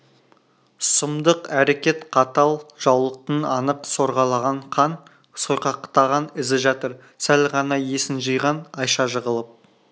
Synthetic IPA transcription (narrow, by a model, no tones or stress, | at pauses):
səmd̪əqæɾe̞kʲe̞t̪qʰɑt̪ɑlˠʒ̥ɑwlˠəq̚t̪ənɑnəqso̞ɾʁɑlˠɑʁɑɴqʰɑn | sojqɑqt̪ɑʁɑnɪzɪʒɑt̪əɾ | sælʁɑnɑje̞sɪnʒəjʁɑnɑjʃɑʒəʁəlˠəp̚